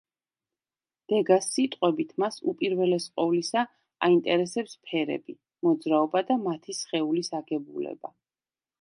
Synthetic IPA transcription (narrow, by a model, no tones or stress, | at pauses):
d̪̥ɛɡasːit̪ʼqʼwɛbit̪ʰmasṵpʼiɾvɛlɛsqʼɔvlisa | a̰int̪ʼɛɾɛsɛpspʰɛɾɛ̰bi | mɔd̪zɾaɔbad̪amat̪ʰisχɛulisaɡɛbulɛ̰ba̰